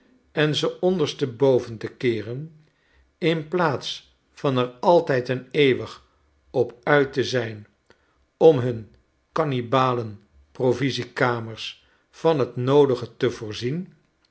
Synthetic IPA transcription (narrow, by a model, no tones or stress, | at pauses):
ɛnzəɔndəɹstəbowvəntəkɪːrən | ɪnplaːts | fɑnɛɹɑlˠtɛjtənejʋəχ | ɔpœɥtəzɛjn | ɔmɦɵn | kɑnibaːlən | provizikaːməɹs | fɑnɦətnowdəχətəvʊːɹzin